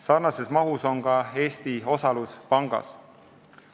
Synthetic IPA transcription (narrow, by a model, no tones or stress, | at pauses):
sɑrnɑse̞smɑɦuso̞ŋkɑe̞ːst̪io̞sɑluspɑŋɡ̥ɑ̰s